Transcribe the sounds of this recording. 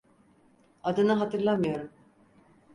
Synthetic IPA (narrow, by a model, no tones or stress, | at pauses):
ad̪ɯnɯɦat̪ʰɯɾlˠamɯjo̞ɾum